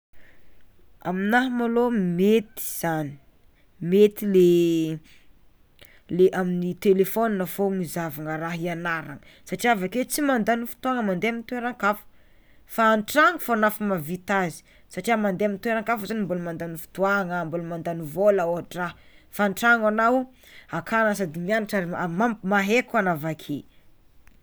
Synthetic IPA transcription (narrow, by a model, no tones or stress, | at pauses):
aminaɦmalomet̪i̥z̥ani̥ | met̪ile | leʔaminit̪elefoninəfomizavaŋəɾaɦianaɾaŋəsaʈ͡ʂiavaket͡simand̪anifu̥t̪uaŋəmand̪eamint̪uweɾaŋkafu̥ | faːnʈ͡ʂaŋəfaanafumavit̪azi̥ | saʈ͡ʂiamand̪eamint̪uweɾaŋkafuzanimbulumand̪anifu̥t̪uaŋəmbulumand̪anivolaoaʈ͡ʂaɦ | faːnʈ͡ʂaŋanaw | akʰanas̬ad̪imianaʈ͡ʂaɾimamaɦekanavakʰe